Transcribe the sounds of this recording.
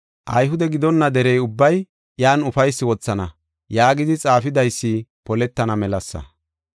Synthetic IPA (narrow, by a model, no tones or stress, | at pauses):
ʔɐjɦʊd̪ɛɡɪd̪ɔnːɐd̪ɛɾɛjʊbːɐj | jaːnʊfɐjsːɪwɔt͡sːɐnɐ | jaːɡɪd̪ɪt͡sʼaːfɪd̪ɐjsːɪpɔlɛt̪ːɐnɐmɛlɐsːɐ̰